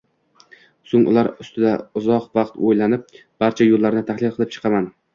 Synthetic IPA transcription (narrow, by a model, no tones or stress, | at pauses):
soŋʔʊ̰laɾʊst̪ʰɪd̪aʊzɒqvɑqt̪ʰojlanɪp̚ | b̥aɾt͡ʃʰajolːaɾnɪt̪ʰahlˠɪlˠqʰɨlˠɪp̚t͡ʃʰɨ̥qʰɑman